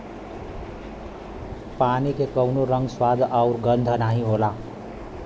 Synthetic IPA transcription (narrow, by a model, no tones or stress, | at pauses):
panikekəwnoɾəŋɡswad̪ʱaʊɾɡənd̪ʱənaɦĩɦola